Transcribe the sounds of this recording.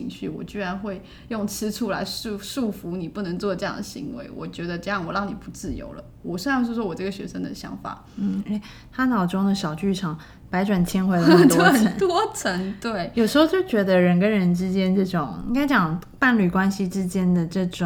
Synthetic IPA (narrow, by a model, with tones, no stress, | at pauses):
i˧˥ŋɕy˥˩wɔ̰˨˩t͡ɕy˥ɻa˧˥nxwe˥˧ɪ | jʊ˥˩ŋt͡sʰɹ̩˧˥ʈ͡ʂʰu˥la̰˧˥ɪʂu˥˧ʂu˥˩fu˧˥ni˨˩pu˥˩nə˧˥ŋt͡swɔ˥˧ʈ͡ʂɤ˥˧jɑ̰˥˩ŋd̪ə˩ɕḭ˧˥ŋwḛ˧˥ɪwɔ̰˨˩t͡ɕɥɛ˧˥d̪ə˧ʈ͡ʂɤ˥˧jɑ˥˩ŋwɔ˨˩ɻɑ˥˩ŋni˨˩pu˧˥t͡sɹ̩˥˩jo̰˧˥ʊlə̰˧wɔ˨˩ɕn˥˧ŋʂɻ̩˥˩wɔ˥wɔ˨˩ʈ͡ʂɤ˥˩ɡə˩ɕɥɛ̰˧˥ʂə˥ŋd̪ə̰˨ɕjɑ̰˧˥ŋfa̰˨˩˦ | n̩˥˩e˥ɪ | t̪ʰa˥nɑ˨˩ʊʈ͡ʂʊ˥ŋd̪ə˨ɕjɑ˨˩ʊt͡ɕy˥˩ʈ͡ʂʰɑ˨˩˦ŋ | pa˧˥ɪʈ͡ʂwa˨˩nt͡ɕʰɛ˥nxwe˧˥ɪlə˧˥˨t̪wɔ˥ə˨˩ə˧˦nt̪wɔ˥t͡sʰə˧˥ŋt̪we˥˩ɪjo˩ʊʂɻ̩˧˥xo˧ʊt͡ɕjo˥˩ʊt͡ɕɥɛ˧˥d̪ə˧ɻə˧˥nk̬ə˦˥nɻə˧˥nʈ͡ʂɻ̩˥t͡ɕjɛ˥nʈ͡ʂɤ˥˩ʈ͡ʂʊ˨˩˦ŋḭ˥ŋka˥ɪt͡ɕjɑ˨˩ŋ | pa˥˧nly˨˩kwa˥nɕi˨ʈ͡ʂɻ̩˥t͡ɕjɛ˥nd̪ə˨ʈ͡ʂɤ˥˩ʈ͡ʂʊ˨